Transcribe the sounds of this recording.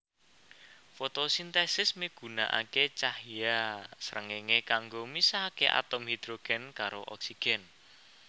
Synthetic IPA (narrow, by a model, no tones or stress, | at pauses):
fot̪osint̪ɛsɪsmiɡ̥ṳna̰ʔa̰ket͡ʃahiasəɾəŋeŋekaŋɡomisaɦakeʔa̰t̪ɔmhid̪̥ɾoɡ̥ɛnkaɾoʔɔksiɡ̥ɛn